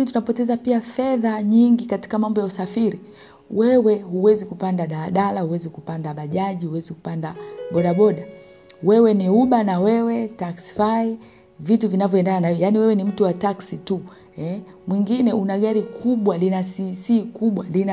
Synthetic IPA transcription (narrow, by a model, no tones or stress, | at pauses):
nitunapɔtɛzapiafɛðaɲiŋɡikati̥kamambɔjausafiɾi | wɛwɛhuwɛzikupandaɗaɗalahuwɛzikupandaɓaʄaʄihuwɛziku̥pandaɓɔɗaɓɔɗa | wɛwɛniuɓanawɛwɛtaksi̥fai | vituvinavjɔɛndananajaniwɛwɛnim̩tuwataksitu | ɛ | mwiŋɡinɛunaɠaɾikʰuɓwalinasisiːkuɓwalina